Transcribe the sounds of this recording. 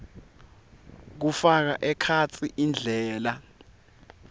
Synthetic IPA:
k̬ufak̬aʔɛkʰat͡sʰiʔind͡ɮʱɛːla

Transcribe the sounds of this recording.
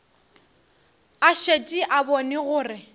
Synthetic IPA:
aʃet͡ʃʼiʔabɔnɪɣʊːrɪ

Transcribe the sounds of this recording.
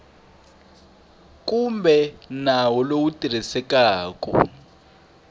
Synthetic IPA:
k̬ʼumbʱɛnawɔlowutʼir̤isɛk̬ʼaːk̬ʼɔ̰

